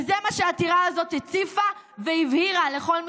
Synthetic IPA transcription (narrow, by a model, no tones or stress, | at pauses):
zemaʃeatiʁaazo̞t̪het͡sifa | veivhiʁale̞χo̞lm